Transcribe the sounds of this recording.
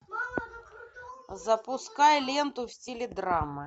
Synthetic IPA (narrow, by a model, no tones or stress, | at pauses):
zɐpʊskajlʲent̪ʊfsʲtʲilʲɪd̪ɾamːɨ